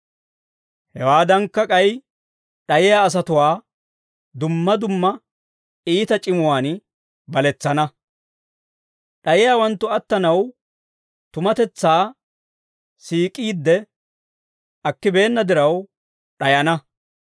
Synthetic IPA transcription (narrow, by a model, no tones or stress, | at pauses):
hɛwaːd̪ɐŋkːɐkʼɐj | ɗɐjɪjaːs̬ɐt̪ʊwaː | d̪ʊmːɐd̪ʊmːɐ | iːt̪ɐt͡ʃʼɪmʊwaːn | bɐlɛt͡sːɐnɐ | ɗɐjɪjaːwɐnt̪ːʊɐt̪ːɐnɐw | t̪ʊmɐt̪ɛt͡sːaː | siːkʼiːd̪ːɛ | ɐkːɪbe̞ːnːɐd̪ɪɾɐw | ɗɐjɐnɐ